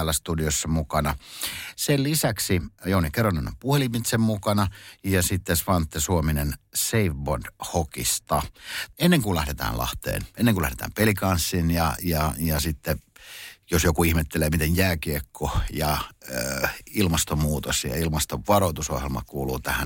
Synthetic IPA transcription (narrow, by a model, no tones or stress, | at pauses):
æːlːˑæst̪udiosːɑmukɑnɑsellisæksijounikeronːeno̰mpuhelimit̪semmukɑnɑjɑsit̪ːesʋɑnt̪ːesuominenseifbord̥hokḭst̪ɑenːeŋkulæhdet̪æ̰ːnlɑ̰ht̪ḛːnenːeŋkulæhɾet̪æ̰ːmpelikɑnsːinjɑjɑjɑsit̪ːe | josjokuihmet̪ːeleːmit̪enjæːkiekʰːojɑ | ilmɑst̪omuːt̪osjɑ̰ilmɑst̪oʋʋɑrout̪uso̰hjelmɑ̰kuːlṵːt̪æhæn